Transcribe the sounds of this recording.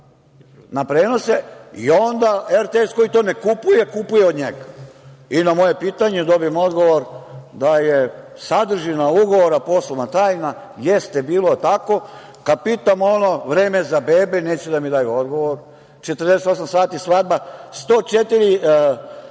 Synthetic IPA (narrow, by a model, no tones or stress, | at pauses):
napɾe̞ːnose̞io̞nd̪aeɾt̪eesko̞jit̪one̞kupuje̞kupujeod̪ɲeɡainamo̞je̞piːt̪aɲed̪o̞bimo̞d̪ɡo̞ʋoɾd̪aje | sad̪r̩ʒinauɡo̞ʋoɾapo̞sloʋnat̪aːjna | jest̪ebiːlot̪ako̞ | kad̪̚piːt̪amo̞noʋɾeːmezabeːbeneːt͡ɕɛd̪amid̪ajuo̞d̪ɡoʋoɾ | t͡ʃet̪ərd̪eset̪o̞samsaːt̪isʋad̪̚bast̪oːt͡ʃet̪iɾi